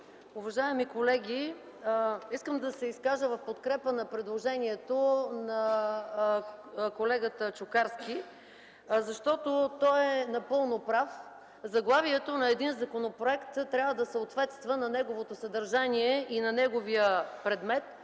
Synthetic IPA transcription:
ʊvɐʒaɛmikolɛɡʲi | iskəmd̪ɐsɛiskaʒəvɐfpot̪kɾɛpənɐpɾɛd̪lˠoʒɛniɛt̪onɐ | kolɛɡət̪ət͡ʃʊkaɾski | zɐʃt̪ɔt̪ot̪ɔɛnɐpɤlˠnopɾaf | zɐɡlˠaviɛt̪onɐɛd̪inzɐkonopɾoɛkt̪t̪ːɾʲavəd̪ɐsəot̪vɛt̪st̪vənɐnɛɡovot̪osɐd̪ɐɾʒaniɛʔinɐnɛɡovijəpɾɛd̪mɛt̪

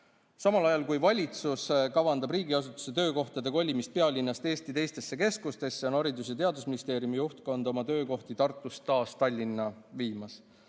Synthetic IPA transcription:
sɑmɑlɑjɑlkujvɑlʲit̪suskɑvɑnd̪ɑbriːɡiɑs̬ut̪ːˑu̥se̞t̪øːko̞ht̪ɑd̪e̞ko̞lʲːimist̪̚pe̞ɑlʲinːɑst̪e̞ːst̪it̪e̞jst̪e̞sːe̞ke̞skust̪e̞sːeo̞nɑɾid̪us̬jɑt̪e̞ɑd̪usminist̪e̞ːɾjumijuht̪̚ko̞nd̪o̞mɑt̪ø̞ːko̞ht̪it̪ɑrt̪ːˑust̪ːɑːst̪ɑlʲːinːɑviːmɑs

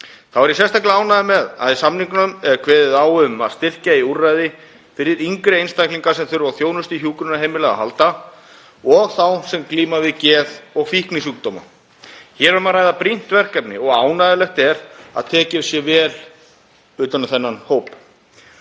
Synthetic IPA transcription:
θawɛɾisjɛst̪ajklɪaːwnaðɪmɛðaðisamniŋkʏnʏmɛɾkʰvɛːðɪðawʏma̰ðst̪ɪr̥caiurːajðɪ | fɪɾɪɾiŋkɾɪejnst̪ajkliŋkaɾsɛmθʏɾvawθjoːwnʏst̪ɪçjuːkʏɾʏnaɦejmɪlɛɣa̰ɦa̰lt̪a | ɔɣθawsɛmkliːmavɪðcɛːðɔɣfihknɪsuːk̚t̪ɔːma̰ | çɛɾʏmaðɾajðapɾin̥t̪vɛr̥kat̪nɪ̰ɔɣaːwnaðɪlɛxt̪ɛɾa̰ðt̪ʰɛːcɪsjɛvɛːl | ʏːt̪anaθɛnːanhoːwp

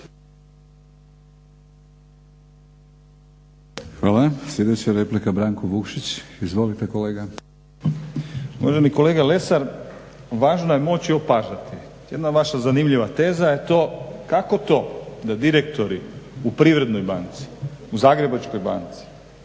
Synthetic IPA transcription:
xʋaːlˠasljed̪et͡ɕaɾeplikabɾaːŋkoʋukʃit͡ɕizʋo̞lit̪ekoleːɡa | uʋaʒeniko̞le̞ːɡale̞saɾ | ʋaːʒnoje̞mo̞t͡ɕiopaʒat̪i | jed̪naʋaʃazanimʎiʋat̪e̞ːzaje̞t̪o̞ːkako̞t̪o̞ːd̪ad̪iɾekt̪o̞ɾiupɾiʋɾe̞d̪nojbant̪si̥uzaːɡɾe̞bat͡ʃko̞jba̰nt̪si̥

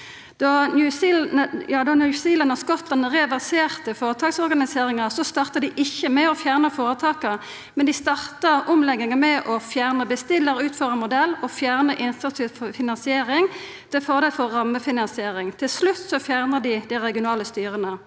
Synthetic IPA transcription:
d̪̥ɑnjʉsjɑːd̪ɑnʉsiːlənɑskɔt̪lɑnʁɛʋæʁseːʁt̪əfoːʁət̪ʰɑːksɔʁɡɑnɪseːʁɪŋəsɔst̪ɑʁt̪əd̪ɪʔɪçːəmɛɔfjæːʁnəfoːɾət̪ʰɑːkə | mɛnd̪ɪst̪ɑʁt̪əʁɔmlɛɡɪŋəmɛʔɔfjæːʁnəbəst̪ɪlːəɾʉːt̪fœʁəmʊd̪ɛlːɔfjæːʁnəʔɪnsɑt̪sɪffɪnɑnsɪeːɾɪŋ | t̪ʰɪlfɔʁd̪elfɔːɑmːəfɪnɑnsɪeːɾɪŋt̪ʰɪlslʉt̪ːsɔfjæʁnəd̪ɪd̪æɪʁɛɡɪʊnɑːləst̪yːʁənə

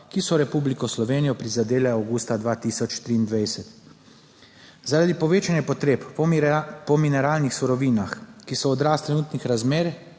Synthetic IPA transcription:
kisɔɾɛpublikɔslɔʋeːnijɔpɾizad̪eːlɛawɡuːst̪ad̪ʋaːt̪iːsɔt͡ʃt̪ɾiːnd̪ʋajsɛt̪ | zaɾad̪ipɔʋeːt͡ʃanjɛpɔt̪ɾeːp | pɔminɛɾaːlnixsuɾɔʋiːnaxkisɔɔd̪ɾaːst̪ɾɛnuːt̪nixɾazmeːɾ

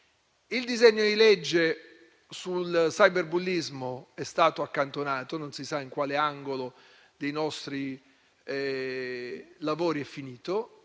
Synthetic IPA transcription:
ild̪izɛɲːod̪ilɛd͡ʒːe | sulsajberbulːizmoɛst̪aːt̪oakːant̪onaːt̪ononsisaiŋkwaːleaŋɡolo | d̪ejnɔst̪ɾi | lavoːɾiɛfːiniːt̪o

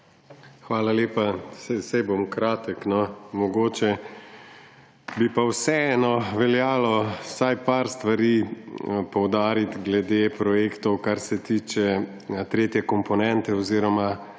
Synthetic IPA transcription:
xʋaːlaleːpasɛsajbomkɾaːt̪əknɔmɔɡoːt͡ʃɛ | bipawsɛɛːnɔʋɛljaːlɔsajpaɾst̪ʋaɾi | pɔwd̪aːɾit̪ɡlɛd̪epɾɔjeːkt̪ɔwkaɾsɛt̪iːt͡ʃɛ | t̪ɾeːt̪jɛkɔmpɔnɛnt̪ɛɔziːɾɔma

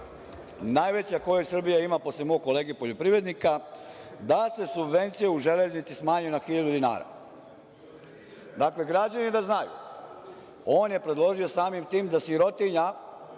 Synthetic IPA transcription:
najʋe̞t͡ɕako̞jesr̩bijaimapo̞slemo̞ːɡ̚kːo̞le̞ːɡepo̞ʎo̞pɾiʋɾe̞d̪nikad̪ase̞subʋe̞nt̪sijeuʒe̞le̞znit̪sismaːɲujunaxiʎad̪ud̪ina̰ːɾa̰ | d̪akle̞ɡɾad͡ʑanid̪aznajṵ | o̞ːnje̞pɾe̞d̪lˠo̞ʒio̞saːmimt̪iːmd̪asiɾo̞t̪iɲa

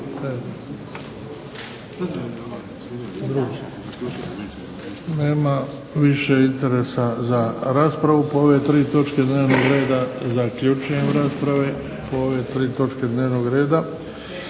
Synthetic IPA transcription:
e | d̪ɾuɡ | ne̞ːma | ʋiʃe̞int̪e̞ɾe̞sazaɾaːspɾaʋupooʋe̞t̪ɾiːt̪o̞t͡ʃke̞d̪neːʋnoɡɾe̞ːd̪azakʎut͡ʃuje̞mɾaːspɾaʋe | pooʋe̞t̪ɾiːt̪o̞t͡ʃke̞d̪neːʋnoɡɾe̞ːd̪a

